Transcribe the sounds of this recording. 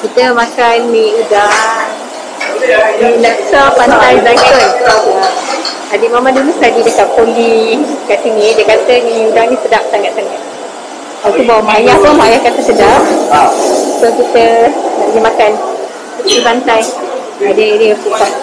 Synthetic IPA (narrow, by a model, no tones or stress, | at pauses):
kit̪əmakanmiudaŋ | ninaʔsapant̪ajzakəna | adiʔmamadulust̪adidəkat̪̚polikaʔsinĩdiəkat̪əniudaŋnĩsədap̚t̪aŋkaʔ̚saŋɡaʔ̪̚ | lat̪ubawamaajahpunmaajahkat̪əsədaʔ̚ | sokit̪ənaʔdimakan | sət̪ipant̪aj | adəeɾiakukaʔ